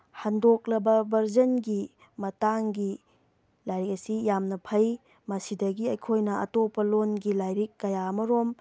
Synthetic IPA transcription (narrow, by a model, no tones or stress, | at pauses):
handok̚lɐbɐbɐɾzɐnɡi | mɐtaŋɡi | lajɾikɐsijamnɐpʰɐj | mɐsidɐɡiɐjkʰojnɐɐ̰topːɐlonɡilajɾikːɐjaɐmɐɾom